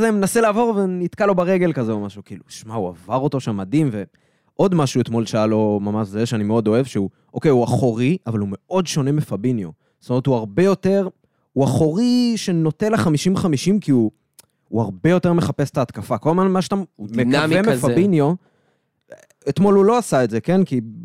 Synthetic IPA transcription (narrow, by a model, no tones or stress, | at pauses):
azemenaselaːvo̞ʁvenit̪kalo̞baʁeɡe̞lkazeomaʃukiːlu̥ʃmaua̰vaʁo̞t̪o̞ʃamːad̪imve̞ | ʔo̞d̪maʃuet̪mo̞lʃajalo̞mamaʃzeʃeanimeo̞do̞e̞vʃeu | ʔo̞kejuaχoʁiʔavalume̞o̞dʃo̞ne̞mefabinjo̞̰ | zst̪omeetuaʁbe̞jo̞te̞ʁ | uaχo̞ʁiʃeno̞t̪eleχamiʃimχamiʃimkiu | uaʁbe̞jo̞t̪e̞ʁmeχape̞se̥t̪aːt̪kafakolamanmaʃat̪ammekavemefabinjo̞ | et̪mo̞lulo̞asaetze̞ke̞nki